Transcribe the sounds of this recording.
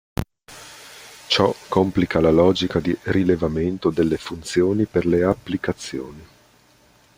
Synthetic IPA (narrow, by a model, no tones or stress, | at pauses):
t͡ʃɔkːomplikalalɔːd͡ʒikad̪irilevament̪od̪elːefunt̪sjoːniperleapːlikat̪sːjoːni